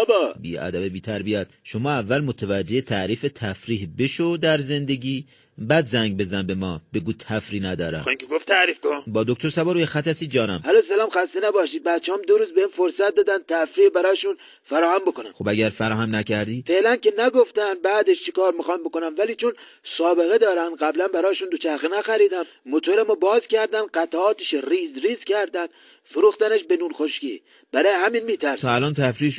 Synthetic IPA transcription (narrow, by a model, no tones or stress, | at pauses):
bbḭæ̰d̪æbebiːt̪ʰæɾbijæd̪̥ʃomɒːævːælmot̪ʰævæd͡ʒːehet̪ʰæʔɾiːfet̪ʰæfɾiːhbeʃod̪æɾze̞nd̪e̞ɡʲiː | bæd̪zæŋɡbe̞zænbe̞mɒːb̥e̞ɡuːt̪ʰæfɾiːnæd̪ɒːɾæ̰miŋkʰeɡoft̪ʰæɾiːfkobɒːd̪ok̚t̪ʰoɾsæbɒːɾuːjexæt̪æsid͡ʒɒːnæmhælosælɑːmxæst̪enæbɒːʃiːd̪̚bæt̪̚t͡ʃʰehɑːmd̪oɾuːzbeiːnfoɾsæt̪̚d̪ɒːd̪ænd̪̚t̪ʰæfɾiːbæɾɒːʃun | fæɾɒːhæmbo̞konæ̰mxobæɟæɾfæɾɒːhæmnækʰæɾd̪iːfe̞lænkenæɡoft̪æn̚bæːd̪eʃt͡ʃʰekɒːɾmixɑmbokonæmvæliːt͡ʃʰon | sɒːbe̞ɣed̪ɒːɾænɢæblænbæɾɒːʃund̪ot͡ʃʰæxenæxæɾiːd̪æmːot̪ʰoɾæmobɒːzcʲæɾd̪ænɢæt̪ʰæɒːt̪eʃrizɾiːzkʲʰæɾd̪ænd̪ | foɾuːxt̪æneʃbe̞nuːɾxoʃkḭː | b̥æɾɒːjeɦæmiːnmiːt̪ʰæɾst̪ʰɒːælɒːnt̪ʰæfɾiːʃ